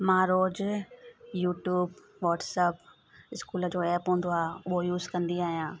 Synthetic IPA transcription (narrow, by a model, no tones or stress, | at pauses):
mãːɾoːd͡ʑ | juːʈjuːb | ʋɔːʈsəp | ɪskuːləd͡ʑoːɛːpɦũːnd̪oaːɦʊɦojuːzkɐ̃nd̪iaːɦijãː